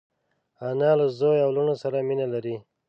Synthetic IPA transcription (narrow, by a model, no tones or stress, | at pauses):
anɑlazojawluɳosaɾaminalaɾi